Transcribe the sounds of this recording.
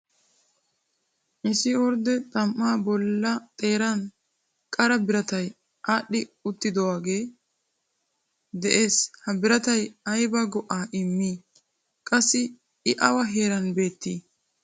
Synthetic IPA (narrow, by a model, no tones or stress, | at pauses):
ʔɪsɪɔɾd̪ɛt̪ʼɐmʔːaːbɔlːɐt̪ʼe̞ːɾɐn | kʼɐɾɐbɪɾɐt̪ɐj | ʔaːɗːɪʊt̪ːɪd̪ɔwaːɡe̞ː | d̪ɛʔeːshɐbɪɾɐt̪ɐjɐjbɐɡɔʔaːʔɪmːiː | kʼɐsːɪ | ɪʔɐwɐɦe̞ːɾɐnbe̞ːt̪ːiː